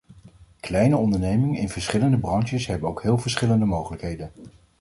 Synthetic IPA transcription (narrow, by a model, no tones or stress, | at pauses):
klɛjnəɔndəɹnejmɪŋəɪnvəɹsχɪləndəbrɑntəsɦɛbənowkɦɪːlˠvəɹsχɪləndəmowχələkɦejdən